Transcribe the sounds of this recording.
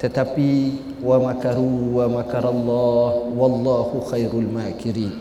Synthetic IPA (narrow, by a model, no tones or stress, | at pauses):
t̪at̪abːi | wamakɑɾuwamakɑɾˤalˤːɑːhwɑlˤːɑːhʊxajɾʊlmaːkɪɾiːn